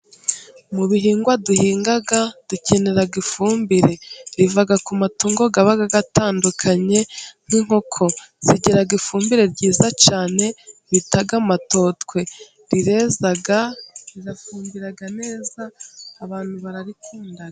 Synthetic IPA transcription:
muβiɦiːŋɡwaduhiːŋɡaɡad̥uce̞ne̞ɾaɡifuːmbiɾe̞ɾivaɡakumatuːŋɡo̞ɡaβaɡaɡataːndukʰaɲe̞n̥hiŋho̞kʰo̞z̥iɟeɾaɡifuːmbiɾe̞ɾɟiːzat͡ʃaːne̞βitaɡamato̞tkwe̞ | ɾiɾezaɡaɾiɾafuːmbiɾaɡane̞ːzaːβaːn̥huβaɾaɾituːndaɡa

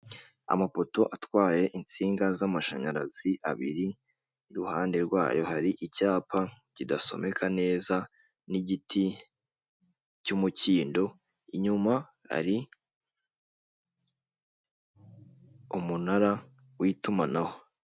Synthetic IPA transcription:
a̰mapo̞to̞ʔatwaːje̞ʔint͡siːŋɡazamaʃa̰ɲaɾa̰z̥iʔa̰βḭɾiː | ɾuhaːnde̞ɾɡwa̰ːjo̞haɾiʔicaːpacidaso̞̰me̞kʰane̞ːza | niɟitʰi | cumuciːndo̞ | iɲuma | ha̰ɾi | umunaɾa | wiːtumanaho̞

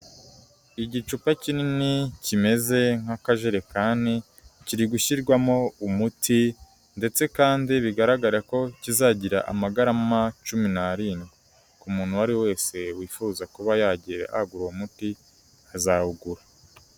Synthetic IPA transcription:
iɟit͡ʃupacininicime̞ze̞ŋ̥akaʒe̞ɾe̞kaːndi | ciɾiɡuʃiɾɡwamo̞umutʰi | nde̞t͡se̞kaːndiβiɡaɾaɡaɾeko̞cizaːɟiɾa̰ʔa̰maɡaɾamat͡ʃuminaɾiːnɡi | kumuːn̤̥huaɾiwe̞ːse̞wiːfuːzakuβajaɟiɾḛʔa̰ɡuɾwamuti | azahuɡuɾa

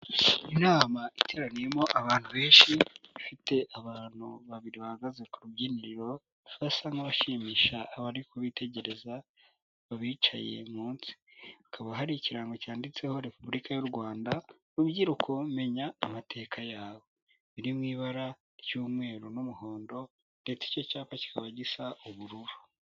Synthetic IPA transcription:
inaːmaʔitʰe̞ːɾanijemo̞ʔaβaːn̥huβe̞ːnʃiβifite̞ʔaβaːn̥huβaβiɾiβahaɡaze̞kuɾubɟiːniɾiɾo̞ | βasaŋaβaʃiːmiːʃaːβaɾikʰoβitʰe̞ɟe̞ɾe̞za | βaβiːt͡ʃa̰je̞̰muːnsi̥akaβaɦaɾiciɾaːŋɡocaːndit͡se̞ho̞ɾe̞puβuɾikajuɾɡwaːnda | ɾubɟiɾukʰo̞me̞ɲaːmatʰe̞ːkʰajaːβo̞ | βiɾimŋiːβaɾa | ɾjuːmŋe̞ːɾunumuho̞ːndo̞ | nde̞t͡si̥co̞caːpaci̥kaβaɟisauβuɾuɾu

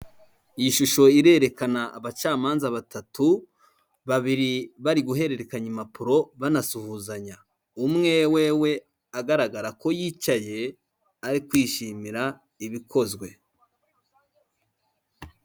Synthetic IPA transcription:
iiʃuʃo̞iɾe̞ɾe̞kanaʔːβat͡ʃaːmaːnzaβatatu | βaβiɾiβaɾiɡuɦe̞ɾe̞ɾe̞kaɲimapuɾo̞βanasuhuːzaɲa | umŋe̞we̞we̞ | aɡaɾaɡaɾako̞jiːt͡ʃaje̞ | aɾikwiːʃiːmiɾa | iβikʰo̞zɡwe̞

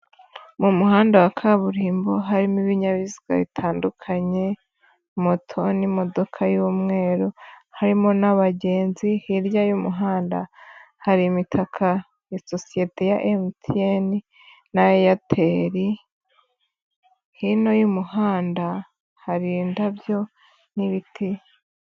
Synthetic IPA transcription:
mumuɦaːndawakʰaβuɾiːmboɦaɾimiβiɲaβiziɡ̥a̰βitʰaːndukʰaɲe̞ | motʰonimo̞do̞kʰajuːmŋe̞ːɾuhaɾimo̞naβaɟe̞ːnzihiɾjajumuɦaːnda̰ | haɾimitʰakʰa | jasosije̞tʰe̞jaʔemtʰieni | najojatʰe̞ɾi | hino̞jumuhaːnda | haɾiːndabjo̞ | niβitʰi

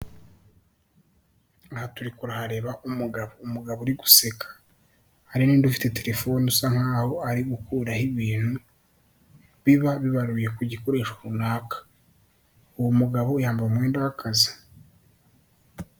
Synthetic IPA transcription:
ahatuɾikuɾahaɾe̞βaʔumuɡaβoumuɡaβoɾiɡu̥se̞kʰḁ | aɾiniːndufi̥te̞te̞ɾe̞fo̞nusaŋhaːho̞aɾiɡukuːɾahiβiːn̥hu | βiβaβiβaɾuje̞kuɟiko̞ɾe̞ːʃoɾunaːkḁ | uwomuɡaβojaːmbaumwe̞ːndawakʰazi̥

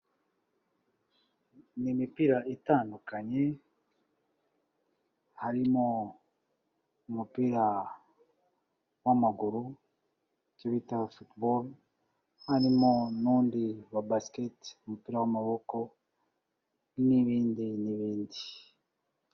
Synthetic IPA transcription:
nimipiɾaʔitaːndukaɲe̞ | haɾimo | umupiɾa | wamaɡuɾu | coβitafutbol | haɾimonuːndiwabasketumupiːɾawamaβoko̞ | niβiːndiniβiːndi

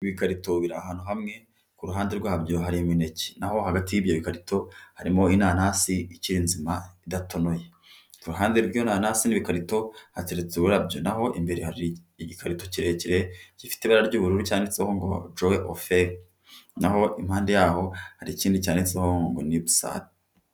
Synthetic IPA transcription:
βikaɾitoβiɾaːhaːn̥huɦamŋe̞ | kuɾuɦaːndeɾɡwahabjoɦaɾimwine̞ci̥naho̞haɡatijibjoβikaɾito̞haɾimo̞inaːnaːsiiciɾinzimaidatʰo̞no̞je | kuɾuɦaːndeɾɡjonaːnaːsiniβikaɾito̞hateɾet͡suuɾabjo̞naho̞ʔimbe̞ɾehaɾi | ɟikʰaɾito̞ciɾeciɾeɟifi̥teβaɾaaɾɟuːβuɾuɾucaːneseho̞ŋɡo̞̰d͡ʒoeʔo̰feɾ | naho̞ʔimhaːndejaːho̞haɾiciːndicaːnet͡sehoŋɡo̞̰niβusa̰ːβe

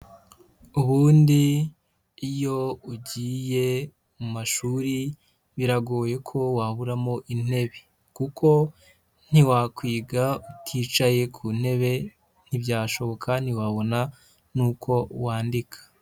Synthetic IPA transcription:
uβuːndiː | jo̞uɟiːje̞ | mumaʃuɾi | βiɾaɡoːje̞kʰo̞waβuɾamo̞ʔin̥e̞βe | kukʰo̞ | n̥iwakwiːɡautʰiːt͡ʃaje̞kʰuːn̥e̞βe̞ | n̥ibɟaːʃo̞βo̞kʰan̥iwaβo̞na | nuːkʰo̞waːndikʰḁ

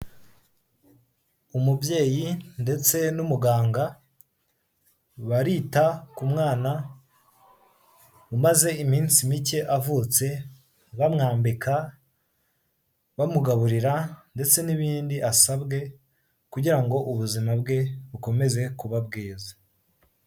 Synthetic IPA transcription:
umubje̞ːjinde̞t͡se̞numuɡaːŋɡa | βaɾiːtakumŋaːna | umaze̞imiːnsimice̞ʔavut͡se̞ | βamŋaːmbikʰa | βamuɡaβuɾiɾande̞t͡se̞niβiːndiʔasabɡe̞ | kuɟiɾaŋɡo̞ʔuβuzimabɡe̞βuko̞me̞ze̞kuβab̚ɡiːza

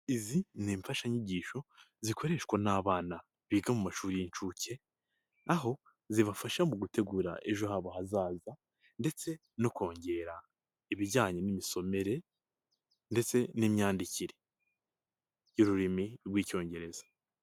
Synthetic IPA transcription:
izineːɱfaʃaɲiɟiːʃo̞ | zikʰo̞ɾe̞ʃkwonaːβaːna | βiːɡamumaʃuːɾijint͡ʃuːce̞ | aɦo̞ | ziβafaʃamuɡute̞ɡuːɾa̰ʔe̞ʒo̞haβohazaːza | nde̞t͡se̞ | no̞ko̞ːɲɟe̞ːɾa | iβiɟaːɲenimiso̞me̞ɾe̞ | nde̞t͡se̞nimɲaːndiciɾe̞̥ | juɾuɾimiɾɡwiːco̞ːɲɟe̞ɾe̞z̥ḁ

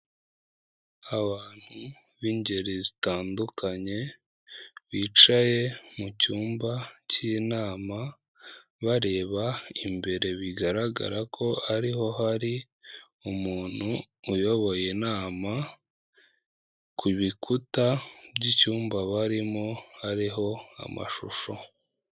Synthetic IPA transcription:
aβaːn̥hu | βiɲɟe̞ɾezitaːndukʰaɲe̞ | βiːt͡ʃaje̞mucuːmbacinaːma | βaɾe̞ːβaimbe̞ɾe̞βiɡaɾaɡa̰ɾakʰo̞aɾiho̞ɦaɾi | umuːn̥huː | jo̞βo̞jenaːma | kʰuβikʰutabɟicuːmbaβaɾimohaɾiɦo̞a̰ma̰ʃuʃo̞

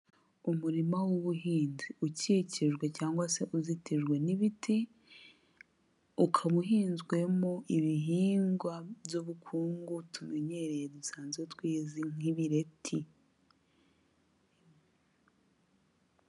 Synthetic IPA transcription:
umuɾimawoβuɦiːnziuciciʒɡwe̞caːŋɡwase̞ʔuzitiʒɡwe̞niβitʰi | ukʰaβuɦiːnzɡwe̞moʔiβiɦiːŋɡwabjuβukʰuːŋɡutume̞ɲe̞ɾe̞jedusaːnzɡwetwiːziŋiβiɾe̞tʰi

